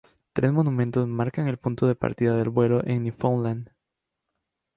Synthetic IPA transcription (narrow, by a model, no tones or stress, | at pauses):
t̪ɾe̞zmo̞numẽnt̪o̞zmaɾkaŋe̞lpunt̪o̞ðe̞pa̰ɾt̪iðaðe̞lβwe̞lo̞ʔe̞ŋnifonlãnd̪